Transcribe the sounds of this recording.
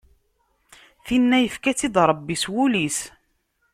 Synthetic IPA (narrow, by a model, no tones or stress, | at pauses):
θinːæjəfkæt͡sːid̪ɾˤəbːiswulis